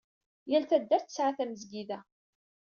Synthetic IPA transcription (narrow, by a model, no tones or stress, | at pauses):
jælθæd̪ːæɾθə̥sʕaθæməzɡiðæ